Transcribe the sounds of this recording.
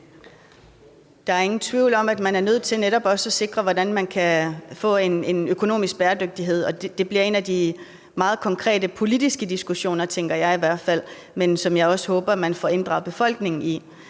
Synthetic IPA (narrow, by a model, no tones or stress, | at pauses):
d̥ɑ̈æɐe̝ŋn̩t͡sʰʋiʊlɒ̽mæd̥mænæɐnøð̞̰ˠt͡sʰe̝lneɾɒ̽b̥ɒ̽səæse̝ɡ̥ʁɐʋɒdænmænkʰæfɔ̰̽ːe̝ne̝nøkʰo̝no̝̰ːmisɡ̥̚b̥eːɐd̥øɡ̥̚d̥iɦe̝ð̞̰ˠɒ̽d̥e̝b̥liɐe̝næd̥i | mɑ̈ːð̞̩ˠkʰɒ̽ŋkʰʁɛ̰ːdəpʰo̝lid̥isɡ̥əd̥isɡ̥uɕo̝̰ːnɐt͡sʰeŋɡ̥ɐjɑ̈ɪiʋæɐ̰d̥fæl̰ | mensɒ̽mjɑ̈ɪɒ̽sə̥hɔ̽ːb̥ɐmænfɒe̝nd̥ʁɑ̈b̥e̝fɒ̽l̰ɡ̥ne̝ŋn̩i